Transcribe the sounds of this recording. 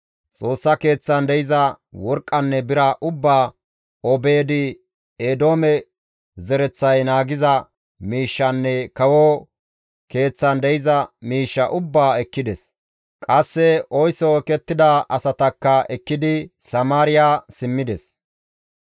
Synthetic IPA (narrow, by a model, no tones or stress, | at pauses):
t͡sʼo̞ːsːɐke̞ːt͡sːɐnd̪ɛjɪzɐ | wɔɾkʼːɐnːɛbɪɾɐʔʊbːaː | obeːd̪ɪ | eːd̪o̞ːmɛ | zɛɾɛt͡sːɐjnaːɡɪzɐ | miːʃːɐnːɛkɐwɔ | ke̞ːt͡sːɐnd̪ɛjɪzɐmiːʃːɐʔʊbːaːɛkːɪd̪ɛs | kʼɐsːɛɔjsɔɛkɛt̪ːɪd̪ɐʔɐsɐt̪ɐkːɐɛkːɪd̪ɪsɐmaːɾɪjaːsɪmːɪd̪ɛs